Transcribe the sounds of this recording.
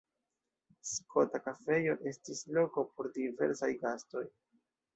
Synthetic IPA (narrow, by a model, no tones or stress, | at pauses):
skʰo̞takafe̞jo̞ʔe̞stislo̞ko̞po̞ɾdive̞̰ɾsajɡasto̞j